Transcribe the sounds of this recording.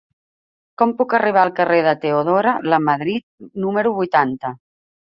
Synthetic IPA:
kɔmpukəriβ̞aəlˠkəreðət̪eoðoɾələməðɾit̪̚numəɾuβujt̪ant̪ə

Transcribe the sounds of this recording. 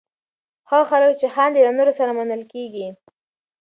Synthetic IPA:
xɑxaləkt͡ʃexɑnd̪əjawnoɾosaɾamanəlkeɡi

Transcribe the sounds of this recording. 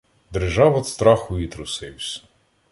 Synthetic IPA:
d̪erʒɑʋɔt̪st̪ɾɑxʊit̪ɾʊsɪwsʲ

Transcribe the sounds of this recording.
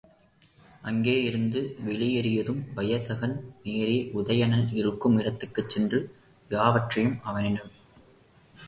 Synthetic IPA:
ʔɐŋɡeːɪɾɯnd̪ɯʋɛɭɪjɐɾɪjɐðɯmʋɐjɐðɐɣɐnneːɾiʔʊðɐjɐnɐnɪɾɯkːɯmɪɽɐt̪ːɯkːɯt͡ʃːɛndrɯ | jaːʋɐʈrɐjɯmɐʋɐnɪnɯ

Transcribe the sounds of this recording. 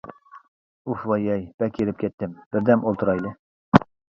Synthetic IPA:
ufwɑjɛjb̥ɛkʰʲeɾɪp̚kʲʰɛt̪ːɪmb̥ɪɾd̪ɛmʔolˠt̪ʰuɾɑjlˠɤ

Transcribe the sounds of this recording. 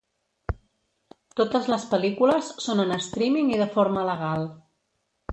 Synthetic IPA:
t̪ot̪əzləspəlikuləsːonənəst̪ɾimiŋiðəfoɾmələɣ̞alˠ

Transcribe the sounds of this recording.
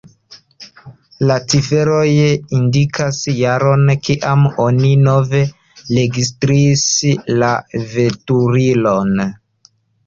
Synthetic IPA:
lat͡sife̞ɾojindikʰasjaɾo̞nkiʔamo̞nino̞ve̞ | le̞ɡis̬tɾiːslave̞tuɾilo̞n

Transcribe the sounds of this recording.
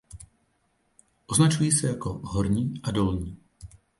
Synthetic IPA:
ʔoznat͡ʃujiːsɛjakoɦɔɾɲiːʔadolɲiː

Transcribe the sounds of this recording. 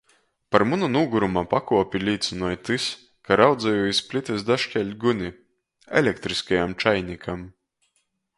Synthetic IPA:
paɾmununuːɡuɾumapakuɔpʲilʲiːt̪sɨnɔjt̪ɨs | kaɾawd̪zajuːisʲpʲlʲit̪ʲɨsd̪aʃkʲɛlʲɡunʲi | ɛ̰lʲɛkt̪ɾiskajamt͡ʃajnʲikʰam

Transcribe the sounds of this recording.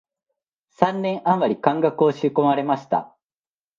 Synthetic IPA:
sãnːẽ̞ɰ̃ʔãmːaɾʲikãŋɡakɯo̞ɕɨko̞maɾe̞maɕi̥t̪a̰

